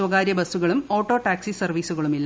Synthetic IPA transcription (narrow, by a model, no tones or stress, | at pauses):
wɐɣaːɾjɐbɐsuɣɐɭumo̞ːʈːo̞ːʈaːksisɐrʋiːsuɣɐɭumilː